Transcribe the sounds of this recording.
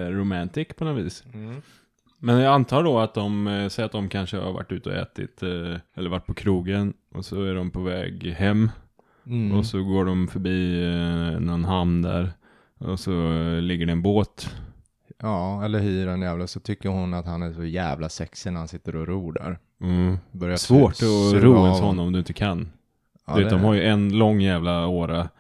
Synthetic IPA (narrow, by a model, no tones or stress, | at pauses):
ɾʊmænt̪ɪkpʰɔnɔt̪viːs | mɛnjaant̪ʰɑːɖɔat̪̚d̪ɔmsɛat̪̚d̪ɔmkʰanʂəha̰ɾva̰ʈːʉ̟ːt̪əɔ̰ʔɛ̰ːt̪ɪ̰t̪ɛlːəɾvaʈ̚ːpʰɔkʰɾuːɡənʔɔ̰sɔæɖɔmpʰɔvɛ̰ːɡhɛmː | ɔsɔɡoːɖɔmfœɾbiː | nɔnɦannd̪æ̰ɾ | ɔsɔlɪɡːəɖɛːnboːt̪ | ɑːɛlːəɾhyːəɾɛnjæːvlasɔt̪ʰʏkːəɾhʊnat̪hanæɾʂɔjæ̰ːvlasɛksɪnæɾhansɪt̪ːəɾɔɾuːɖa̰ɾ | bœɾjasvoːʈɔɾuːɔshɔnːɔmɔmd̪ɵɪnt̪ːəkʰan | veːt̪d̪ɔmhaɾjɵʔɛnlɔŋːjæːvlaoːɾa